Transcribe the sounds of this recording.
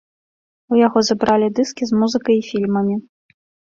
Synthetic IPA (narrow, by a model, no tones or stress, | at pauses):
ujaɣɔzɐbɾalʲid̪ɨskʲizmuzɨkɐjifʲilʲmɐmʲi